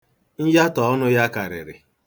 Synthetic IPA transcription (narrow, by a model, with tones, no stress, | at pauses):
n̩˦ja˦tɔ˨ɔ˦nʊ˦ja˦ka˨ɾɪ̰˨ɾɪ̰˨